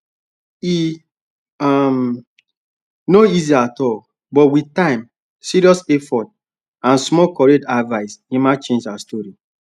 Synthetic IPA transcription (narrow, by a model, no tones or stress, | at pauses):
i | am | noiziaatɔl | bɔtwitãɪ̃m | siɾiɔsɛfɔt̚ | ãnsmɔkɔɹedavaɪsĩmat͡ʃẽnd͡ʒaastɔɹi